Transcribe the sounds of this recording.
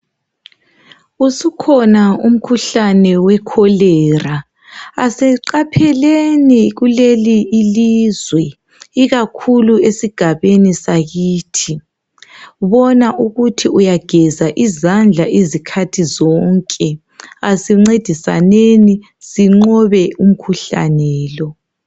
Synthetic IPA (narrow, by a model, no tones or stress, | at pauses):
usukʰɔnaum̩kʰuɬanɛwɛkʰɔlɛːraː | sɛǃapʰɛleniɣuleliːlizwɛ | iɣakʰuluesiɡ̥ʱaβenisaɣiːtʰi | βɔnaʔuɣutʰiujaɡ̥ʱɛzaʔizand͡ɮʱaʔezikʰatʰizɔŋkʼɛ | asiŋ͡ǀed̥ʱisa̰neni | ziŋ͡ǃɔβɛum̩kʰuɬa̰nɛːlɔ